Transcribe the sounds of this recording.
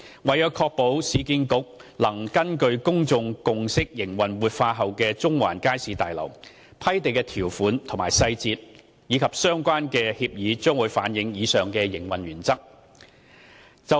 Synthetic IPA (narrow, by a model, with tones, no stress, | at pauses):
wɐ˨˩jœː˨˧wkʰɔː˧k̚po˨˥wsiː˨˧kiː˧nkʊ˨˥k̚lɐ˨˩ŋkɐ˥nkɵ˧ɥkʊ˥ŋt͡sʊ˨˧ŋkʊ˨ŋsɪ˥k̚jɪ˨˩ŋwɐ˨nwuː˨t̚faː˧ɦɐ˨wkɛː˧t͡sʊ˥ŋwa̰ː˨˩nkaː˥jsiː˨˧˥t̪aː˨jlɐ̰˨˩w | pʰɐ˥jt̪e˨jkɛː˧t̪ʰiː˨˩wfuː˨˥nt̪ʰʊ˨˩maː˨˩jsɐ˧jt͡siː˧t̚ | jiː˨˧kʰɐ˨p̚sœː˥ŋkʷaː˥nkɛː˧hiː˧p̚jiː˨˧t͡ʃœː˥ŋwuː˨˧jfaː˨˥njɪ˨˥ŋjiː˨˧sœː˨ŋkɛː˧jɪ˨˩ŋwɐ˨nɥyː˨˩nt͡sɐ˥k̚ | t͡sɐ˨